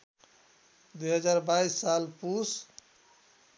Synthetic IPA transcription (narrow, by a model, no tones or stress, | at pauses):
d̪ujɦəd͡ʒaɾbaisːalpus